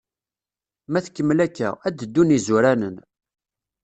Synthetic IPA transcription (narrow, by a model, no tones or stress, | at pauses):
mæθkːəmːlækːæ̰æd̪əd̪ːunizuɾænən